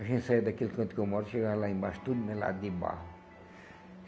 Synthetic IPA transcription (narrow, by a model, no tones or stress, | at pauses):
ɐʒẽnt̪ʲsajd̪ɐkilkɐ̃nkewmɔɾʃeɡaɾlaẽmba̰ʃt̪ud̪umela̰d̪d̪iba̰hʊ